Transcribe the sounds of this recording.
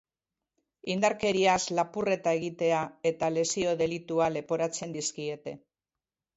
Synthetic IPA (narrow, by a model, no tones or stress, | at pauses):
ind̪aɾke̞ɾiaslapure̞t̪ae̞ɣ̞it̪e̞ae̞t̪ale̞sio̞ðe̞lit̪uale̞po̞ɾat͡se̞nd̪iskie̞t̪e̞